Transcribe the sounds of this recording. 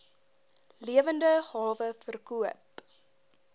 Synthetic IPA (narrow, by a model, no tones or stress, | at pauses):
liəvəndəhɑːvəfərkuəp